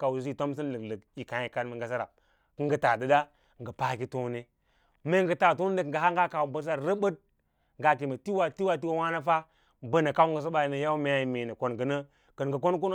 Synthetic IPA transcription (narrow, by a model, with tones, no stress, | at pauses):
ka˨wsi˦˨to˦m˦s̬i˦nlə˨klə˨ki˨ka˨˦i˨ka˦mə˨ŋɡa˨s̬a˦ɾa̰˨ | kə˦ŋɡə˦ta˨də˦da˦ | ŋɡə˨pa˦ki˦to˦ne˦ | me˦ŋ˦ɡə˨ta˨to˦n˦də˦k̩˨ɡə˨ɦa˦ŋɡa˦ka˨wu˨bə˦s̬a˦˨ɾə˦bə˦d̚ | ŋɡa˦k̬i˨mə˨ti˦wa˨ti˦wa˦ti˦wa˦wa˦na˦fa˦ | bə˦na˨ka˦u˦ŋɡə˨s̬ə˦ba˨i˨nə˨ja˦u˦me˨ja˦i˨me˨nə˨ko˨nɡə˨nə˦ | kə˨n˨ɡə˨ko˦n˦k̬u˦n˦